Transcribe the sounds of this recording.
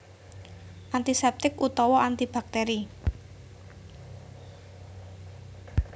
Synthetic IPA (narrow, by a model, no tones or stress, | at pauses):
ʔant̪isɛp̚t̪ɪkut̪ɔwɔʔant̪ib̥a̤k̚t̪eɾi